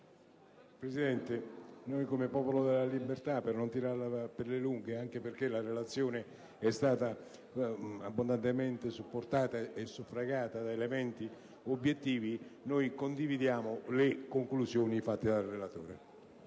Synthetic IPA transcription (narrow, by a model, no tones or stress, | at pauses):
pɾesid̪ɛnt̪enojkomepɔːpolod̪elːalibert̪apːernont̪iɾalaaperleluŋɡeaŋk̟eperk̟elarelat̪sːjoːne | ɛst̪aːt̪a | abːond̪ant̪emɛnt̪ɪsupːort̪aːt̪aesːufɾaɡaːt̪ad̪aelemɛnt̪i | obːjet̪ːiːvinojkond̪ivid̪jaːmolekoŋklusjoːnifat̪ːed̪alrelat̪o̰ːɾḛ